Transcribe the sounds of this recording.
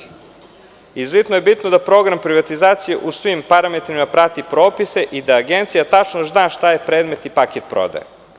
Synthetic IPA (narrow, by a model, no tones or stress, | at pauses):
izvit̪noje̞bit̪nod̪apɾo̞ɡɾampɾiʋat̪izaːt̪sijḛʔusʋimpaɾame̞t̪ɾimapɾat̪ipɾo̞ːpise̞ʔid̪aːɡent̪sijat̪at͡ʃnoznaːʃt̪ajepɾeːd̪me̞t̪nipaket̪pɾo̰d̪a̰je